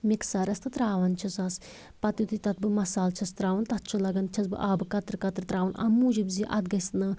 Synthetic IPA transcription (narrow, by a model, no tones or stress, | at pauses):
miksaːɾɐst̪ɨt̪ɾaːʋɐnt͡ʃʰɐsɐs | pɐt̪it̪it̪ɐt̪̚bɨmɐsaːlt͡ʃʰɐst̪ɾaːʋɐnt̪ɐt̪t͡ʃʰulɐɡɐnt͡ʃʰɐsbɨ̰ʔaːbɨkɐt̪ɾkɐt̪ɾt̪ɾaːʋɐnʔɐ̰mːuːd͡ʒibziʔɐ̰t̪ɡɐsʲt̪nɨ